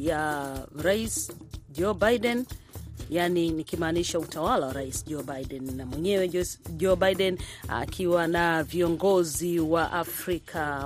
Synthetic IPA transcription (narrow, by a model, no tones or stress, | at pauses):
jaɾaisd͡ʒɔbajɗɛnjaninikimaːniʃautʰawalawaɾaisʄɔbaiɗɛnːamwɛɲɛwɛʄɔbajɗɛna̰kʰiwanaviɔŋɡɔziwaʔafɾikʰa